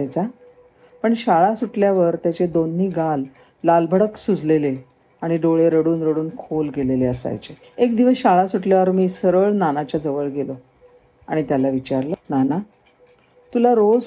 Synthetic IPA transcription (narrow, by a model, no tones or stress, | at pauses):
jt͡sa | pəɳɕaɭasuʈljaʋəɾt̪jat͡ɕed̪onːiːɡalː | albʱəɽəksud͡zʱlele | aɽ̃iɖoɭeɾəɽuːnɾəɽuːnkʰolɡeleleəsa̰jt͡ɕe | ekd̪iʋəsɕaɭasuʈljaʋəɾmiːsəɾəɭnanat͡ɕjad͡zəʋəɭɡelo | a̰ɽ̃it̪jalaʋit͡ɕaɾlənana | t̪ulaɾod͡z